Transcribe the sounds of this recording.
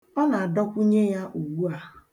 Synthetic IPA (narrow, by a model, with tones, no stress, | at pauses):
ɔ˦na˨a˨dɔ˦kʷu˦ɲe˦ja˦ʔu˨wu˦a˨